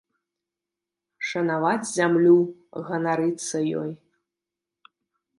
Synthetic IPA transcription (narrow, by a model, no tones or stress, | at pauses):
ʂɐnavat͡sʲzʲamlʲuɣɐnaɾɨt̪sːɐjɔ̰j